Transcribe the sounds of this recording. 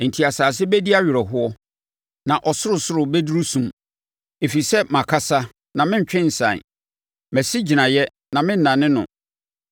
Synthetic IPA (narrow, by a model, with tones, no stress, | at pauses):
n̩˨tʰi˨a˨saː˨s̬ɪ˦bæ˦di˦a˦ɥɪ˨ɾɛ˨ɦʊ˦ɔ˦ | nã˨ʔɔ˨sʊ˦ʊ˨sʊ˦ɾʊ˨bɛ˦du˦ɾu˦sũ˨m | e˨fi˨sɛ˦mã˨kʰa˦sa˦ | nã˨mɪ̃˦ɲ̩˨t͡ɕᶣɪ̃˦n̩˨sã̰˨ | mæ˨si˦d͡ʑi˨nã˨jɛ˦ | nã˨mɪ̃˦n̩˨nã˨nɪ̃˦nʊ̰̃˨